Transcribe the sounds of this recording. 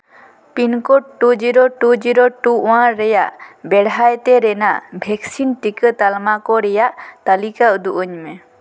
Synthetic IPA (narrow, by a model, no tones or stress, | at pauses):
pinkɔʈʈːud͡ʒiɾoʈud͡ʒiɾoʈuʔwãɾɛjaʔbɛɽɦajt̪ɛɾɛnaʔbʱɛksinʈikət̪almakɔɾɛjaʔt̪alikaud̪uʔəɲmɛ